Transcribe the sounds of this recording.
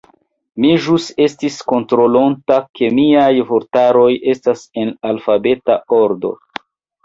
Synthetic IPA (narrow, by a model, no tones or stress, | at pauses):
miʒuse̞stisko̞ntɾo̞lontake̞miajvoɾtaɾo̞je̞stase̞nalfabe̞tao̞ɾdo̞̰